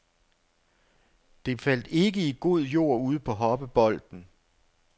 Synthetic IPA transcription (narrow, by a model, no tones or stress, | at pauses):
d̥e̝fæl̰d̥e̝ɡ̥əiɡ̥o̝ð̞̰ˠjo̝̰ɐ̰uð̞̰ˠpʰɒ̽ɦɒ̽b̥əb̥ɒ̽l̰d̥n̩